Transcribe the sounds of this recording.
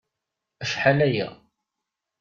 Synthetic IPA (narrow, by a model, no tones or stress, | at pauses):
əʃħalæjæ̰